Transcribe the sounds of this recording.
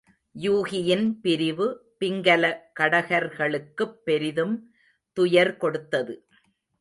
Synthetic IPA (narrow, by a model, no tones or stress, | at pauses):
juːɣɪjɪnpɪɾɪʋɯpɪŋɡɐlɐkɐɽɐɣɐɾɣɐɭɯkːɯpːɛɾɪðɯm | t̪ʊjɐɾkɔɽɯt̪ːɐðɯ